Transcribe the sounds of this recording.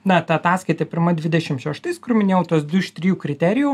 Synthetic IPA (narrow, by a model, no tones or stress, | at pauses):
nɐɐt̪ɐɐt̪ɑːskɐɪt̪ɐpʲɪɾmɐd̪ʲʋʲɪd̪ʲɛʃʲɪmʃʲɛʃt̪ɐɪskʊrmʲɪnʲeːjɛʊt̪uɔsd̪ʊʃʲt̪ʲɾʲɪjuːkɾʲɪt̪ʲæɾʲɪju